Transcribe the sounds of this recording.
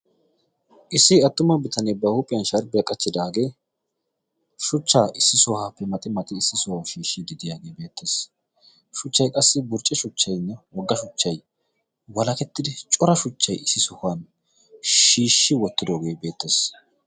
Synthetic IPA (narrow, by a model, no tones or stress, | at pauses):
ʔɪsːɪɐt̪ːʊmɐbɪt̪ʰɐnɛbɐhʊpʼɪjɐnʃɐɾbɪjɐkʼɐt͡ʃːɪd̪aːɡe̞ː | ʃʊt͡ʃːaːʔɪsːɪsʊhaːpːɛmɐt̪ʼːɪmɐt̪ʼɪɪsːɪsʊwawʃiːʃːɪd̪ɪd̪ɪjaːɡe̞ːbe̞ːt̪ʰːe̞ːs | ʃʊt͡ʃːɐjkʼɐsːɪbʊɾt͡ʃʼːɛʃʊt͡ʃːɐjɪnːɐwɔɡːɐʃʊt͡ʃːɐj | wɐlɐkɛt̪ːɪd̪ɪt͡ʃʼɔɾɐʃʊt͡ʃːɐjɪsːɪsʊhan | ʃiːʃːɪwɔt̪ːɪd̪oːɡe̞ːbe̞ːt̪ːe̞ːs